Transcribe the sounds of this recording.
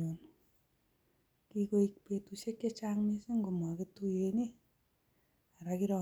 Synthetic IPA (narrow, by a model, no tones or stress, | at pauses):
on | kikoik̚petuseket͡ʃaŋmesiŋɡomaketujeni | aɾakiɾɔ